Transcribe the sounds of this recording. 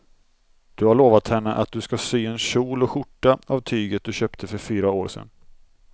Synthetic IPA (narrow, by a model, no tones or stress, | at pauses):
d̪̥ɵhaɭoːvat̪hɛnːəʔa̰t̪̚d̪ɵskasyːɛnɕuːlɔɧʊʈːaavt̪ʰyːɡət̪̚d̪ɵɕøːpt̪ʰəfœɾfyːɾaoːɾsɛ̰nː